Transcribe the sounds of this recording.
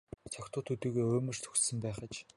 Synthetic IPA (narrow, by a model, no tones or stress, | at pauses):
t͡sʰɔkt̪ʊːt̪ʰut̪iːɣeːoːmɵ̆r̥t̪ʰɵ̥xtsɘ̆mpæːχə̆t͡ɕ